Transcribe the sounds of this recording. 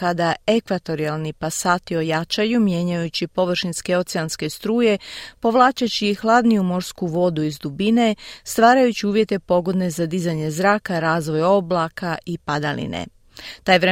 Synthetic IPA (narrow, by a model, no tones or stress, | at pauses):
ad̪ae̞kʋat̪o̞ɾialˠnipasaːt̪io̞jat͡ʃajumje̞ɲajut͡ɕipo̞ʋr̩ʃinske̞o̞t̪seanske̞st̪ɾuːje̞po̞ʋlˠaːt͡ʃat͡ɕixlˠaːd̪nijumo̞ɾskuʋo̞d̪uizd̪ubine̞st̪ʋaːɾajut͡ɕiuːʋje̞t̪e̞po̞ɡo̞d̪nezad̪izaɲe̞zɾaːkaɾaːzʋo̞jo̞blˠakaipad̪alḭnḛ | t̪ajʋɾe